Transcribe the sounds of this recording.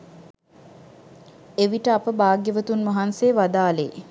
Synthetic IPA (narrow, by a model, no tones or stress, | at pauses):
eʋiʈəapəbaːɡjəʋət̪unmɐɦanseːʋad̪aːlḛ